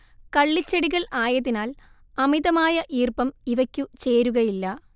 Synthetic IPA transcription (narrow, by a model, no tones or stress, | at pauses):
kɐɭːit͡ɕːeɽiɣɐɭaːjɐðːinaːl | ɐmiðɐmaːjɐʔiːrpɐmiʋɐkʲːut͡ɕeːɾuɣɐjilːɐ